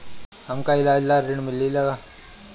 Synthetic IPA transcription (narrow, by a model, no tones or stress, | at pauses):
həmkaɪlaːd͡ʒlaɾɾɪɽ̃mɪlːilɐɡaː